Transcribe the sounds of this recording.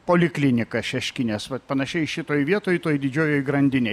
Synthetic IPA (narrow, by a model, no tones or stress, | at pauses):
poːlʲɪklʲɪnʲɪkɐʃʲɛʃʲkʲɪnʲeːsʋɐt̪pɐnɐʃʲɛɪʃʲɪt̪oːjʋʲiɛt̪oːjt̪oːjd̪ʲɪd͡ʒʲoːjoːjɡɾɐnʲd̪ʲɪnʲɛɪ